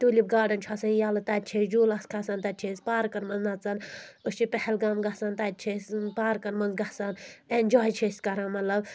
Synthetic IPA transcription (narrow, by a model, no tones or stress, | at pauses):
t̪uːlʲib̚ɡaːɖɐnt͡ʃʰasɐnjaːlɐt̪aːt̪̚ʲt͡ʃʰesd͡ʒuːlɐskʰasɐnt̪ɐt̪̚t͡ʃʰespaːɾkɐɾmɐnznɐt͡sɐnust͡ʃʰipɛhɛlɡɐmɡɐsant̪at̪̚ʲt͡ʃʰespaːɾkɐɾmɐnzɡɐhsanenʲd͡ʒaːjt͡ʃʰeːsʲkɐɾãːmɐt̪lɐb